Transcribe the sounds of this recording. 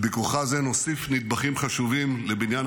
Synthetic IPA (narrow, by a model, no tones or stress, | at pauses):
bikuχazenosifnid̪̚baχimχaʃuvimlebinjan